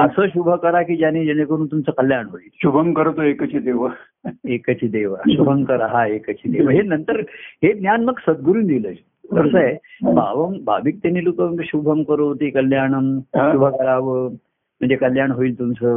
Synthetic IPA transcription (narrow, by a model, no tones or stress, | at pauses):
əsəːɕubʱəkəɾakiːd͡ʑanid͡ʑenekəɾuːnt̪umt͡səːkəljaɳɦoiːlɕubʱəmkəɾt̪oekət͡ɕid̪eʋə | ekət͡ɕʰid̪eʋəɕubʱəŋkəɾəɦaekət͡ɕʰiːd̪eʋəɦenənt̪əɾɦed̪njanməɡsəd̪̚ɡuɾuːnd̪iləː | əɾsəebʱa̰ʋəmbʱa̰bik̚t̪aniːlokəɕubʱəmkəɾot̪ikəljaɳəmʃubʱəkəɾaʋə | m̤əɳd͡zekəljaɳɦoiːlt̪umt͡səː